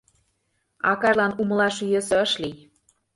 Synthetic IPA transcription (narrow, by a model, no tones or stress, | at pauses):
ɑ̰kɑʒlɑnumə̆lɑʃyjøsɤ̆əʃlij